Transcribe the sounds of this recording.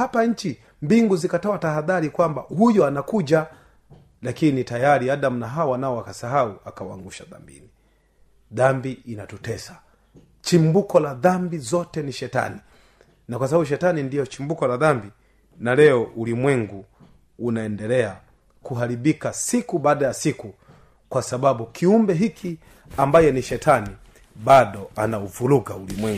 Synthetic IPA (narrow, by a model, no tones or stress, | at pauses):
hapaɲ̩t͡ʃi | mbiŋɡuzikatɔataɦaðaɾikwambahujɔanakuʄa | lakinitajaɾiaɗam̩naɦaɔwanaɔakasaɦauakawaa̰ŋɡuʃa̰ða̰mbḭni | ðambiinatutɛsḁ | t͡ʃimbukɔlaðambizɔtɛniʃɛta̰ni | nakwas̬abaɓuʃɛtanindijɔt͡ʃimbukɔlaðambi | nalɛɔʔulimwɛŋɡuː | naɛndɛlɛa | kuɦaɾiɓikasikuɓaːɗajasiku | kwasaɓaɓukʰiumbɛɦikʰi | ambajɔniʃɛtʰani | ɓaɗɔanauvuluɡaulimwɛŋɡ